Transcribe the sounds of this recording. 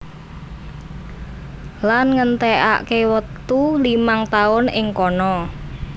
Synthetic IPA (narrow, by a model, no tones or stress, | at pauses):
lanŋənt̪ɛʔa̰kewət̪ulimaŋt̪aʊnɪ̰ŋkɔnɔ